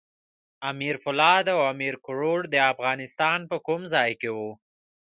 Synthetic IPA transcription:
amiɾfʊlɑd̪awamiɾkʊɾoɽd̪əafɣɑnɪst̪ɑnpəkumzɑjkewu

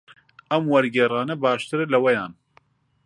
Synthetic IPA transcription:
ɐmwɐɾɡɛːrɑːnɐbaːʃt̪ɨɾɨlɐwɐjaːn

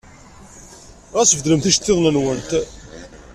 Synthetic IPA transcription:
ʁæsəfəd̪ləmθiʃt̪ːeðˤnənwənt̪

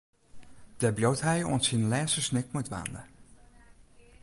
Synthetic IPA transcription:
d̥əbjowthɛjɔ̰nsinlɛːnsəsnɪk̚mutʋa̰ːndə̰

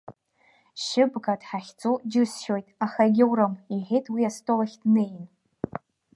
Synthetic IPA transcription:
ʃɪbɡadħaχʲt͡sʼod͡ʒɨsʃojtʼaχaɡʲɪwɾamiʁejtʰʼwiastʰʼolaχʲd̥nejn

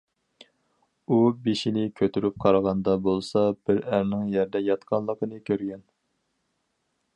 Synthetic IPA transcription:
ubeʃinɪkʲʰøt̪ʰyɾyp̚qʰɑɾəʁɑnd̪ɑbolˠsɑb̥ɪɾæɾnɪŋjæɾd̪ɛjɑt̪qʰɑnlˠəqənɨkʲʰøɾɡʲɛn

